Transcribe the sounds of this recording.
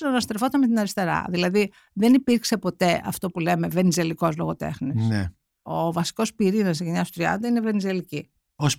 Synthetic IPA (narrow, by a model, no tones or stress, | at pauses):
nonɐst̪ɾefo̞t̪ɐnmet̪inɐɾist̪e̞ɾɐ̰ðilɐði | ðenipiɾkse̞po̞t̪e̞ɐ̰ft̪o̞pule̞me̞ve̞nize̞liko̞zlo̞ɣo̞t̪e̞̰xnisne | ovɐsi̥ko̞spiɾinɐseʝeɲɐsot̪ɾiɐ̰nd̪ɐine̞ve̞nize̞lici | os